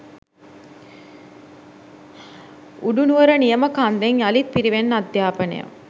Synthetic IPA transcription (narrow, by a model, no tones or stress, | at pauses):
uɖunuʋəɾənijɐməkand̪eŋjɐlit̪̚piɾiʋenːad̪jaːpɐnḛjə̰m